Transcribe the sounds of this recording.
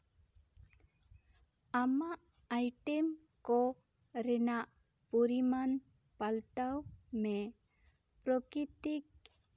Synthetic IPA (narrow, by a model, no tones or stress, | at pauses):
amaʔ | ajʈɛm | kɔ | ɾɛnaʔ | puɾiman | palt̪awmɛ | pɾɔkɾit̪ik̚